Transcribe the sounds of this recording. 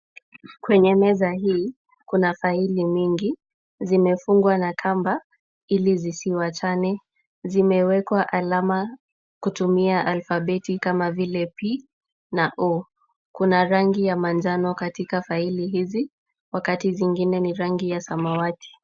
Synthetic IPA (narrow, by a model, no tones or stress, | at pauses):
kwɛɲɛmɛzaɦiː | kunafailimiŋɡi | zimɛfuŋɡwanakʰamba | ilizisiwat͡ʃanɛ | zimɛwɛkwaʔalama | kutumiaʔalfaɓɛtikamavilɛpi | naʔɔ | kunaɾaŋɡijamand͡ʒanɔkatikafailiɦizi | wakatiziŋɡinɛniɾaŋɡijasamawati̥